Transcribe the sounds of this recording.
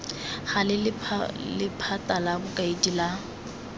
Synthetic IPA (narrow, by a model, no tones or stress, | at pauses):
χalɪlʰlɪpʰatʼalabʊkʼaidila